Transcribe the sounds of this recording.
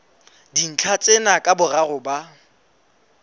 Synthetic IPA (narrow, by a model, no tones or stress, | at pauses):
din̩t͡ɬʰat͡sʼenakʼabʊraɣʊba